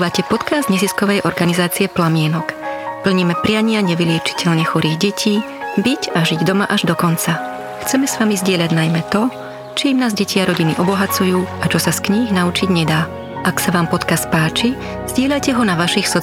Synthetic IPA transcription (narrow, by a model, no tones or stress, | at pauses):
ʋacɛpɔt̪kazd̪ɲɛziskɔʋɛjʔɔɾɡanizaːt͡siɛplamɪɛnɔkpl̩ɲimɛpɾɪaɲɪaɲɛʋilɪɛt͡ʃi̥cʰɛʎɲɛxuɾiːɣɟɛcʰiː | bicaʒiɟd̪ɔma̰ʔaʒd̪ɔkɔnt͡sa | xt͡sɛmɛsʋamizɟɪɛʎaɟnajmɛt̪ɔ | t͡ʃiːmnaːzɟɛcʰiaɾɔɟiniʔɔbɔɦat͡sujuːat͡ʃɔsaskɲiːɣnaut͡ʃiɟɲɛd̪aː | ʔaksaʋaːmpɔt̪kast̪̚paːt͡ʃi | z̥ɟɪɛʎacɛɦɔnaʋaʃixsɔ